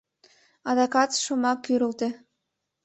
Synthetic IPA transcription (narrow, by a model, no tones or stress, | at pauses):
ɑd̪ɑkɑt̪ʃomɑkːyɾə̆lt̪e